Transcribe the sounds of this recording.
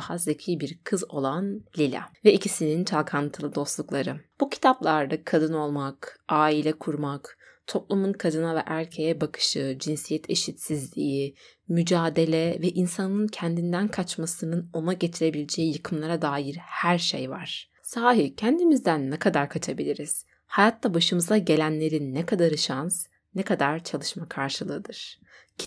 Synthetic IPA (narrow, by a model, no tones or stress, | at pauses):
hazecʰijbiɾkʰɯzo̞lˠanlʲilʲa̰vɛicʰisinint͡ʃʰalˠkʰant̪ʰɯlˠɯd̪o̞st̪lˠuklˠaɾɯb̥ucʰi̥t̪ʰaplˠaɾd̪akʰad̪ɯno̞lˠmakʔaːilʲɛkʰuɾmak | t̪ʰo̞p̚lˠumunkʰad̪ɯnavɛ̰ʔæɾcʰe̞jɛbakʰɯ̥ʃɯd͡ʒinsijɛt̪ʰe̞ʃit̪sizlʲḭji | myd͡ʒaːd̪e̞lʲɛvɛʔinsanɯncʰɛnd̪ind̪ænkʰat͡ʃmasɯnɯno̞naɟe̞t̪ʰiɾe̞bilʲed͡ʒejijɯkʰɯmlˠaɾad̪aːjiɾhæɾʃḛjva̰ɾ̥ | saːɦicʰænd̪imizd̪ænːɛkʰad̪aɾkʰat͡ʃʰabilʲiɾiz̥ | hajat̪ʰlːˠabaʃɯmɯzaɟe̞lʲænlʲe̞ɾinːɛkʰad̪aɾɯʃans | nɛkʰad̪aɾ̥t͡ʃʰalˠɯʃmakʰaɾʃɯlˠɯːd̪ɯɾ̥